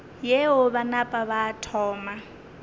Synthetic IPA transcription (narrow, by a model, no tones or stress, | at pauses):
jeɦʊβanapʼaβatʰɔːma